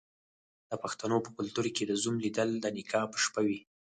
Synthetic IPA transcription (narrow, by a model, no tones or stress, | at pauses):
d̪̥əpaxt̪anopəkʊlt̪uɾked̪əzumlid̪əld̪ənɪkʰɑpəʃpawi